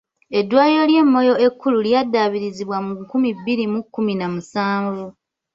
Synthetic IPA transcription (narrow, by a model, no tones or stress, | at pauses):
e̞dːwaːjo̞lje̞mːo̞jo̞e̞kːululjadːaβiɾiziβwamukumibːiɾimukːuminamusaːɱvu